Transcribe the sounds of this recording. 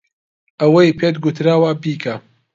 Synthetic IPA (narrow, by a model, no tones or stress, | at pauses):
ɐwɐjpʰeːt̪ɡut̪ʰɾaːwabiːkʰa